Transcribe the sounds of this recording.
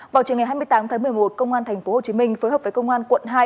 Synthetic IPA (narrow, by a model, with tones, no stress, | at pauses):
vaː˨˩t͡ɕəŋ˨˩ɦa˧jm˧əjt̪aː˨˦mt̪ʰaː˨˦ŋmɨ˨˩əjmo˨˩t̚kə˧wŋ͡mʔaː˧nt̪ʰjŋ̟fo˨˦ho˨˩t͡ɕi˨˦mï˧ŋ̟fəː˨˦jɦəː˨˩p̚və˨˦kə˧wŋ͡mʔaː˧nkwə̰˧˨nɦaː˧j